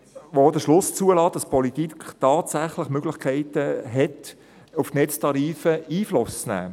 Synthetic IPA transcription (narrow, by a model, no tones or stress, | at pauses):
ʋodəʃlʊst͡suəlɑːt̚d̥ɑspʰɔlit̪iktɑːtsæχlɪχmøɡlɪχkʰɛɪtəɦɛt | uftnɛt͡stʰɑɾiːfəiːflʊst͡snæ̰ː